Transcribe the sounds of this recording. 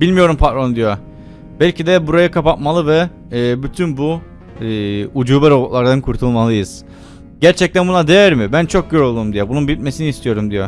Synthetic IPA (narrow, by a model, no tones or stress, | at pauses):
b̥ilʲmijo̞ɾumpʰat̪ɾond̪ijo | bælʲcid̪ɛbuɾajakʰapat̪malˠɯvɛː | byt̪ʰynbu | ud͡ʒuːbɛɾo̞but̪lˠaɾd̪ankʰuɾt̪ʰulˠmalˠɯjɯz̥ | ɟæɾt͡ʃʰɛc̚t̪ænbunad̪ejæɾmibænt͡ʃʰok̚ɟøɾo̞lˠd̪umd̪ijɛbununbit̪̚mesiniːst̪ʰijo̞ɾumd̪ijo